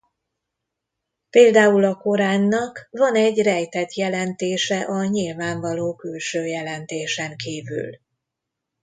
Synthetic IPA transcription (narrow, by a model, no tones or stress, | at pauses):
peːld̪aːulɒko̞ɾaːnːɒkvɒnɛɟːrɛjt̪ɛt̪jɛlɛnt̪eːʃɛʔɒɲilvaːɱvɒloːkylʃøːjɛlɛnt̪eːʃɛŋkiːvy̰l